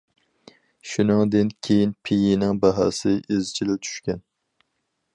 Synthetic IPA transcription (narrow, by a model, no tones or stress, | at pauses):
ʃunɨŋd̪ɨnkʲʰejinpʰejinɪŋbɑɦɑ̰ːsɪʔezt͡ʃʰilɛt͡ʃ̪ʰy̥ʃkʲɛn